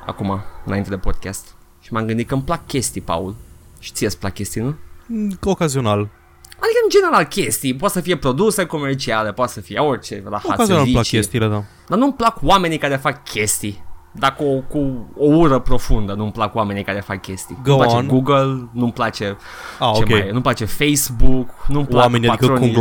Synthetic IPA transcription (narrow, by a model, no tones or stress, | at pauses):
a̰kumaɨnaint̪e̞d̪e̞pod̪̚kʲast̪ | ʃimamɡɨnd̪it̪̚kəmplakkʲe̞st̪ipa̰ul | ʃi̥t̪sijesplak̚kʲe̞st̪inu | okazional | mad̪ikəɨnd͡ʒe̞ne̞ɾalkʲe̞st̪ijp̬at̪səfije̞pɾo̞d̪useko̞me̞rt͡ʃiale̞poat̪səfijeo̞rt͡ʃe̞rahoa̰kazionaiplakt͡ʃʲest̪iled̪a | d̪anumplakuwame̞nikaɾe̞fakkʲʰe̞st̪id̪akuokuouɾəpɾo̞fund̪ənumplakuwame̞nikaɾe̞fakkʲːe̞st̪ijnnɡouplaat͡ʃaenɡuɡəlnumplat͡ʃe̞ | aot͡ʃoemeajnumplat͡ʃe̞fejsbuknumplameniadaikəɾoum